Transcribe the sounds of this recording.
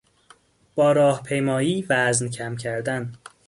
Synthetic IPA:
b̥ɒːɾɒːhpʰe̞jmɒːiːvæzncʰæmcʰæɾd̪æn

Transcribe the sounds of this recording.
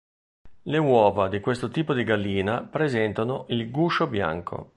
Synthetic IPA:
lewɔːvad̪ikwest̪ot̪iːpod̪iɡalːiːnapɾezɛnt̪anoʔilɡuʃobja̰ŋkʰo̰

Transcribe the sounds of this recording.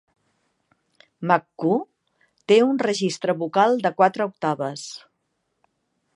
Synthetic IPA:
makːu | t̪eunrəʒist̪ɾəβukalˠd̪əkwat̪ɾəuk̚t̪aβəs

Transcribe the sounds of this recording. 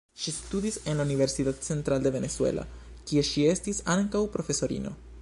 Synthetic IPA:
ʃistud̪ise̞nlaunive̞ɾsit̪att͡se̞nt̪ɾalde̞ve̞ne̞t͡sue̞̰lʔa̰ | kie̞ʃie̞stisaŋkawpɾo̞fe̞so̞ɾḭno̞̰

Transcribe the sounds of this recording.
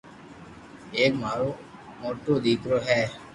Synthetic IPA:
eːkmaːɾoː | moːʈoːd̪iːkɾoːɦɛː

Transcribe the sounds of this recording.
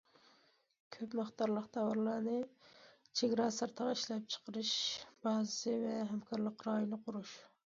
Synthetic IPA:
kʲʰøpmɨχt̪ʰɑɾlˠəqt̪ʰɑwɑɾlˠɑɾnɨ | t͡ʃʰeɡʲɾɑːsɑɾt̪ʰəʁɑiʃlɛp̚t͡ʃʰə̥qʰəɾɨʃb̥ɑzɨsɨvɛɦɛmkʰɑɾlˠəqɾɑːjunɨqʰʊɾuʃ

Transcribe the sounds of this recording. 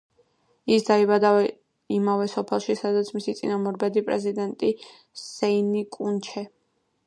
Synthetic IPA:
isd̪aibad̪aɛ | imavɛsɔpʰɛlˠʃisad̪at̪sʰmisit̪sʼḭnamɔɾbɛd̪ipʼɾɛ̰zid̪ɛnt̪ʼi | sɛinikʼunt͡ʃʰɛ

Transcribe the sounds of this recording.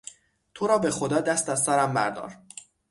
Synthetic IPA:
t̪ʰoɾɒːbe̞xo̞d̪ɒːd̪æst̪æzsæɾæmbæ̰ɾd̪ɒ̰ːɾ

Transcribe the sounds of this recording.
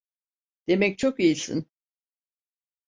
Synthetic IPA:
d̪̥e̞mɛc̚t͡ʃʰokijisḭn

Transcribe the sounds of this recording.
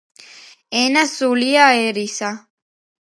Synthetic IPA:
enasuliaeɾisa

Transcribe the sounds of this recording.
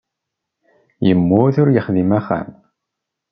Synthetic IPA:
jəmːʊθʊɾjəχðimæχːæ̰m

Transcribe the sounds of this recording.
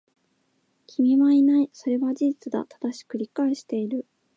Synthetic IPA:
kʲʰimʲiβainaiso̞ɾe̞βad͡ʑiʑit͡sɨd̪a̰t̪ʰḁd̪aɕi̥kɯ̟ɾʲikaeɕi̥t̪e̞iɾɯ̟

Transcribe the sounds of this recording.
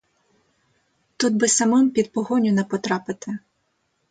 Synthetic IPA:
t̪ud̪̚bɪsɐmɪmpʲid̪̚pɔɦɔnʲʊnɛpɔt̪ɾɑpɪt̪ɪ

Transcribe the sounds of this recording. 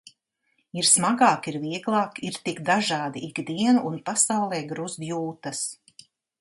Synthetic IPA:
iɾsmaɡaːkiɾviɛɡlˠɑːkiɾt̪iɡd̪aʒɑːd̪iʔiɡd̪iɛnuʔːnpasawlˠɛːɡɾuzd̪juːt̪ɐs

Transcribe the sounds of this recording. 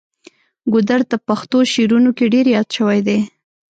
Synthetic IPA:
ɡʊd̪aɾt̪apaxt̪oʃeɾunokeɖeɾjɑt̪ʃəwajd̪e

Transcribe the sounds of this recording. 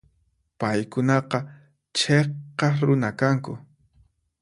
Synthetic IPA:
pajkʊnɑqɑ | t͡ʃeqɑɾʊnakaŋkʊ̰

